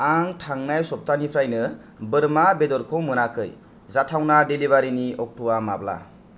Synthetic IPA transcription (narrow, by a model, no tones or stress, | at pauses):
aŋʈʰaŋnajsɔp̚tanipʰɾajnɯ | bɯɾmabed̪ɔɾkʰɯwmɯnakʰɯj | zatʰawnadelibaɾiniɔk̚tʰuwamabla̰